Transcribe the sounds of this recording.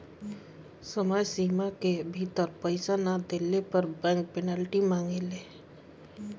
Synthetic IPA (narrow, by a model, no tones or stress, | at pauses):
səmaːjsiːmakebʱit̪əɾpəɪsanad̪eːlepəɾbəpɛnɛːlʈimãːŋɡeleː